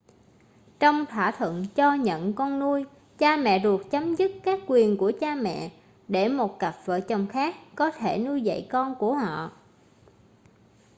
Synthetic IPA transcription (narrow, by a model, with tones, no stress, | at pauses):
t͡ɕɔ˧wŋ͡mt̪ʰwa̰ː˧˩t̪ʰwə̰˧˨nt͡ɕɔ˧ɲə̰˧˨nkɔ˧nːu˧əj | t͡ɕaː˧mɛ̰˧˨zu˨˩ək̚t͡ɕə˨˦mzɨ˦˥t̚kaː˦˥kːwi˨˩ənku˧˩ət͡ɕaː˧mɛ̰˧˨ | ɗe˧˩mo˨˩t̚ka˨˩p̚və̰ː˧˨t͡ɕə˨˩wŋ͡mxaː˦˥k̚ːɔ˨˦t̪ʰe˧˩nu˧jzə̰˧˨jkɔ˧nku˧˩əhɔ̰˧˨